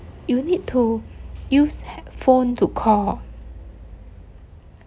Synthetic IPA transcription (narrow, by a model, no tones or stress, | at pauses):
junid̚tʰujusfõntʰukʰɔ